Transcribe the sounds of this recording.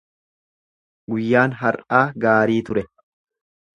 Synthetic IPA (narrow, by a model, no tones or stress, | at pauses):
ɡʊjːaːnɦɐɾʔaːɡaːɾiːt̪ʊɾɛ